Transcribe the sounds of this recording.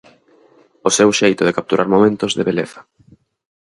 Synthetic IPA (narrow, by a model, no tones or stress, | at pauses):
osewʃejt̪oð̞ekap̚t̪uɾʔaɾmomẽnt̪ozðeβeleθɐ̥